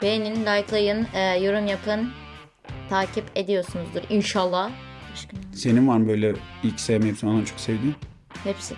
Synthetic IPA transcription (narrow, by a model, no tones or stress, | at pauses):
beninlʲajklˠajɯnːjo̞ɾumjapʰɯn | t̪ʰaːcʰipe̞d̪ijo̞ɾsunuzd̪uɾinʃalˠːaaʃkse̞ninvaɾmbø̞jlʲɛilʲcʰsejmeipsinod̪amt͡ʃʰoksevd̪iːm | hepsɪ